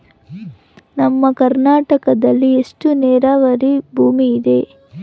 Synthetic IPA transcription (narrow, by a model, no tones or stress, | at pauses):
nɐmːɐkɐɾnaːʈɐkɐd̪ɐlːiesʈunɛːɾaːʋɐɾibʱuːmiːd̪e̞